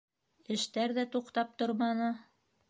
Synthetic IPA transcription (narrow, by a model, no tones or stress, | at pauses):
ɘ̆ʃt̪æɾðæt̪uqt̪ɑp̚t̪oɾmɑnɤ